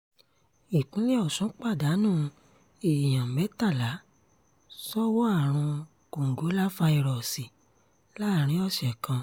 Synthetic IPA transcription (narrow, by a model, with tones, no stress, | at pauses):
i˨kũ˨˦lɛ˦ɔ˦˨sũ˨˦k͡pa˦˨da˨˦nũː˦˨ | i˨j̃ã˨mɛ˨˦ta˦˨la˨˦ | sɔ˦wɔ˦a˦˨ɾ̃ũ˧ | ko˨ŋ̩˨ɡo˨˦la˦fa˧i˧ɾɔ˨si˨ | la˦˨ɾ̃ĩ˨˦ɔ˦˨ʃɛ˨kã˧